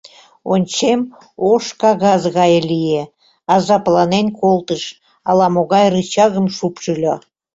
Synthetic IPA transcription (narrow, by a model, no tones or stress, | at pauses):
onʲt͡ɕem | oʃkɑɣɑzɣɑjəlʲije | ɑzɑplˠɑnenʲkolˠt̪əʃ | ɑlˠɑmoɣɑjrɯt͡ɕɑɣə̆mʃupʒɯlʲo